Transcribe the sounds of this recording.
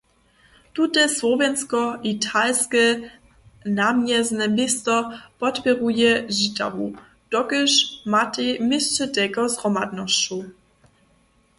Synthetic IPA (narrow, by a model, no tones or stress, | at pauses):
tutɛswɔvɛnskɔʔitʰalskɛ | namjɛznɛmɪst̪ɔpɔtpʲɛʁujɛʒita̰vu | d̥ɔɡəʃmatemɪst͡ʃɛtɛɡɔzʁɔmad̪nɔst͡ɕu